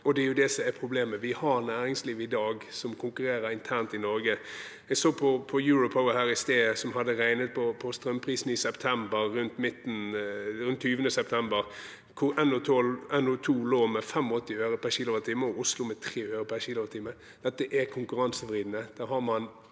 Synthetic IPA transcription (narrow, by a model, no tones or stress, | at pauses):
ɔd̪ɛɾjʊd̪ɛsɔmæpʰɾʊbleːməʋɪhɑɾnæːɾɪŋsliːʋɪd̪ɑːɡsɔmkʰʊŋkʉɾeːɾəɾɪnt̪ʰæʁnt̪ɪnɔɾɡə | ɛɡsoːpʰɔpʰɔjʉːɾʊpʰɔʋəhæːɾɪst̪eːəsɔmɦɑd̪ːəɾæɪnət̪̚pʰɔpʰɔst̪ɾœmpʰɾiːsn̩ɪsɛpt̪ʰɛmbəɾːʉnt̪mɪt̪ːn̩ɾʉnt̪ʰːyːʋənəsɛpt̪ʰɛmbəɾ | kʰʊɾʔɛnʊt̪ʰɔlɛnʊt̪ʰuːloːmɛfɛmɔt̪ːɪøːɾəpʰæçiːlʊt̪ʰiːməɔʊslʊmɛt̪ʰɾeːøːɾəpʰæɾçiːlʊt̪ʰiːmːə | dd̥̪ɛt̪ːəʔæɾkʰʊŋkʉɾɑnsəfɾiːd̪nəd̪̥æːɾɦɑɾmɑn